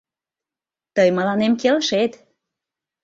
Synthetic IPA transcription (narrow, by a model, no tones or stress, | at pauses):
t̪əjmə̆lɑnemkelʃet̪